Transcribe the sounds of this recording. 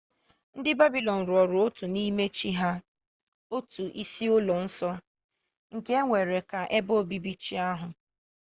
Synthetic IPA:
n̩˦dɪ˦ba˦bi˨lɔ˨n̩˨ɾʊ˨ɔ˨ɾʊ˨o˦tʊ˨ni˦me˦t͡ʃi˦ɦa˦ | o˦tu˨ʔi˦si˦ʊ˦lɔ˨n̩˦sɔ˦ | ŋ̩˨ke˦ŋʷe˨ɾe˨ka˨ʔe˦bo˦˨bi˦bi˦t͡ʃi˦a˦ɦʊ˨

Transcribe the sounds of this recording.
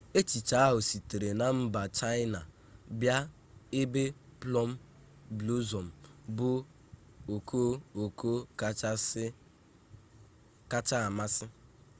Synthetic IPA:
e˦t͡ʃi˨t͡ʃa˨˦a˦ɦʊ˨si˨te˨ɾe˨na˨m̩˦ba˨t͡ʃa˦jɪ˦na˨ | bja˦ | e˦be˦plɔ˦m̩˦ | blu˦zo˨m̩˨bʊ˦ | o˨ko˦o˨ko˦k | ka˦t͡ʃa˦a˨ma˦sɪ˦

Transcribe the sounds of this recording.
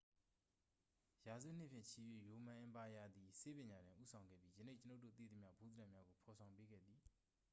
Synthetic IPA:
ja˨zṵ˦˨n̥ɪ̰˦˨pʰjɪ̰̃˦˨t͡ɕʰi˨jwḛ˦˨jo˨mã˨ʔɪ̃˨pa˨ja˨d̪i˨se˦pɪ̃˨ɲa˨dɪ̃˨ʔṵ˦sʰã˨ʊ̃ŋɡɛ̰˦˨pji˦jə˨ne˦˨t͡ɕəno˦ʊtːo̰˦˨t̪ḭ˦˨d̪ə˨mja̰˦˨bu˦d̪əɾã˦˨mja˦ɡo˨pʰɔ˨sʰã˨ʊ̃mpe˦ɡɛ̰˦˨d̪i˨

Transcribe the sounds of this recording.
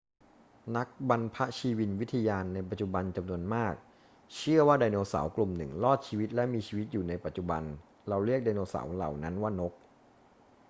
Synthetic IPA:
na˦˥k̚ba˧npʰa˦˥t͡ɕʰiː˧wi˧nwt̪ʰa˧jaː˧nːa˧jp̬a˨˩t̪̚t͡ɕu˨˩ba˧nt͡ɕa˧mnu˧ənmaː˥˩k̚ | t͡ɕʰɯ˥˩əwaː˥˩daː˧jnoː˧sa̰ː˩˦wklu˨˩mnɯ˨˩ŋlɔː˥˩t̪̚t͡ɕʰiː˧wi˦˥t̪̚lɛ˦˥miː˧t͡ɕʰiː˧wi˦˥t̪̚juː˨˩na˧jpa˨˩t̪̚t͡ɕu˨˩ba̰˧n | ɾa˧wɾi˥˩k̚daː˧jnoː˧sa̰˩˦wla̰˨˩wna˦˥nwaː˥˩no˦˥k̚

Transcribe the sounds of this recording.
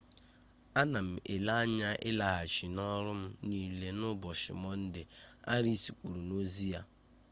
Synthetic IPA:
a˦na˨m̩˨ʔɪ˨la˦a˦ɲa˦ʔɪ˦la˨ɦa˨t͡ʃi˨nɔ˦ɾʊ˦m̩˦ni˨le˦nʊ˦bɔ˨ʃɪ̰˨mɔ˦n̩˦dɪ˨a̰˦ɾi˦si˨k͡pu˨ɾu˨no˦zi˦ja˦

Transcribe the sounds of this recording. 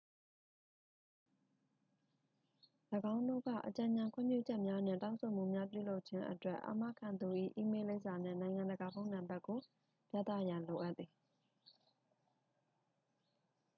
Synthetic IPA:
ləɡã˦ʊ̃ndo̰˦˨ɡä̰˦˨ʔət͡ɕã˨ɲã˨ŋkʰwɪ̰̃˦˨mpjṵ˦˨d͡ʑɛ˦ʔmja˦nɪ̰̃˦˨tã˦ʊ̃sʰo˨m̥ṵ˦˨mja˦p̬jṵ˦˨lo˦ʊʔt͡ɕʰɪ̃˦ʔə̰twɛ˦˨ʔa̰˨ma̰˦˨kʰã˨nd̪u˨ʔḭ˦˨ʔi˦me˦le˦ɪʔsa˨nɪ̰̃˦˨nã˨ɪ̃ŋã˨ndəɡa˨bõ˦ʊ̃nã˨mba˦kːo˨ | pja̰˦˨t̪ä̰˦˨jã˨lo˨ʔa˦ʔt̪θi˨

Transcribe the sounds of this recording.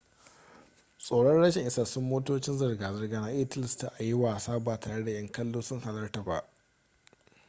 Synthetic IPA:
sʼoː˨ɽɐ˦nɽɐ˦ʃɪ˨ŋʔɪ˦saː˨sʊ˦mːoː˦toː˦t͡ʃɪ˦nzɐ˨rɡaː˨zɐ˨rɡaː˨naː˨ʔɪ˦tɪ˦lɪ˨sta˦ʔa˨jɪ˦waː˨saː˦baː˨taː˨ɽe˦da˨jɐ˦ŋkɐ˦lːoː˦sʊ˦ŋha˨nɐ˦rta˨ba̰˦ʔ

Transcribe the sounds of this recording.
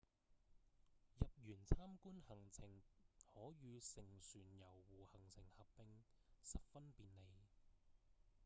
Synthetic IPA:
jɐ˨p̚jyː˨˩nt͡sʰaː˥mkuː˥nhɐ˨˩ŋt͡sʰɪ˨˩ŋhɔː˨˥ɥyː˨˧sɪ˨˩ŋsyː˨˩njɐ˨˩wːuː˨˩hɐ˨˩ŋt͡sʰɪ˨˩ŋhɐ˨p̚pɪ˧ŋsɐ˨p̚fɐ˥npiː˨nne˨˧j

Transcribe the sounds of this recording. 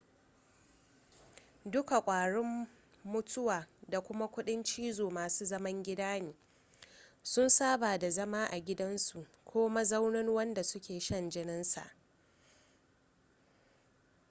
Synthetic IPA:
dʊ˦ka˨kʷʼaː˨ɽɪ˦mː | ʊ˦tʰʊ˦waː˨da˨kʷʊ˦ma˦kʷʊ˦ɗɪ˦nt͡ʃiː˦zoː˨maː˨suː˦zɐ˦mɐ˦ŋɡʲɪ˦daː˦niː˨ | sʊ˦nsaː˦baː˨da˨zɐ˦maː˦ʔa˨ɡʲɪ˦dɐ˦nsu˨ʔ | kʷʰoː˦ma˦za˦wnɪ˦nwɐ˦nda˨sʊ˦kʲʰeː˨ʃɐ˦nd͡ʒɪ˦nɪ˦nsa̰˨ʔ

